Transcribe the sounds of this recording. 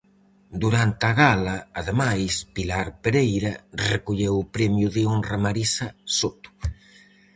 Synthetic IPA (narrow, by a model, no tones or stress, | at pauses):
d̪uɾant̪aɣalɐːðemajspilaɾpeɾejɾɐrekoʎewʊpɾɛmjʊðɪonramaɾisɐsot̪ʊ̥